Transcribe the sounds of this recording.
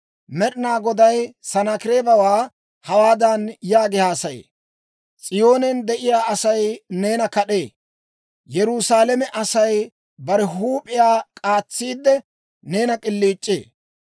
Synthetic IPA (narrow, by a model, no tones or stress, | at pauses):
mɛɗɪnaːɡɔd̪ɐjsɐnakɪɾeːbɐwaː | hɐwaːd̪ɐnjaːɡɪhaːsɐjḛː | t͡sʼɪjo̞ːnɛnd̪ɛʔɪjaːɐsɐjne̞ːnɐkɐɗeː | jɛɾʊsaːlɛmɛʔɐsɐj | bɐɾɛɦuːpʼɪjaːkʼaːt͡sːiːd̪ːɛ | ne̞ːnɐkʼɪlːiːt͡ʃʼːḛː